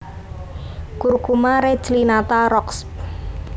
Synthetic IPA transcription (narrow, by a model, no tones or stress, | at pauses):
kurkumaɾe̥t͡ʃlinat̪aɾɔksp